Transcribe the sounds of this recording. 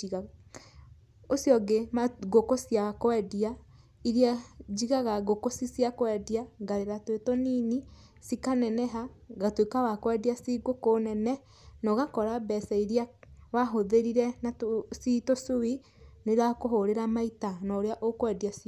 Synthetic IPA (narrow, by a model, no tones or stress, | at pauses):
iɣa | osjɔɡemaɡokosjakwɛdia | iɾiad͡ʒiɣaɣaɣokosisjakwɛdiaɡaɾeɾatwetɔniːni | sikanɛnɛɦaɣatwekawakwɛdiasiɡokonɛnɛ | nɔɣakɔɾabɛsɛiɾiawaɦoðeɾiɾɛnatositosowi | neɾakoɦoɾeɾamaitanɔoɾeaʔokwɛdiasi